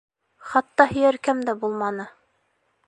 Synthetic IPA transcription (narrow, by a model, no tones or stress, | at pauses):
χɑt̪ːɑhɘ̆jæɾkæmd̪æbulˠmɑnɤ